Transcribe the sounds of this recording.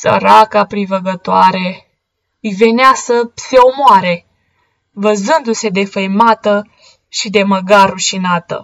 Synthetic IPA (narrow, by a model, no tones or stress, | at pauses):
sə̰ɾakapɾivəɡət̪oaɾe | jve̞neasəse̞omoaɾe̞ | vəzɨnd̪use̞d̪e̞fəjmat̪ə | ʃid̪e̞məɡaɾuʃinat̪ə̰